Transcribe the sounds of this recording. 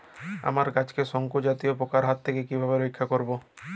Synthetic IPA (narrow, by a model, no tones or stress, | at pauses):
a̰maɾkat͡ʃkesɔŋkud͡ʒat̪iopokaɾɦat̪t̪ʰːekekibʱabeɾojkʰːakɔɾbo